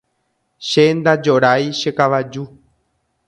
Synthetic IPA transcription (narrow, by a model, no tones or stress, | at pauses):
ʃend̪ad͡ʒoɾajʃekaʋad͡ʒu